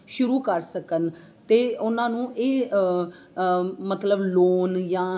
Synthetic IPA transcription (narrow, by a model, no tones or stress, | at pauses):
ʃʊɾuːkəɾsəkən | t̪eːʊnãːnũːʔeː | mət̪ləbloːnjãː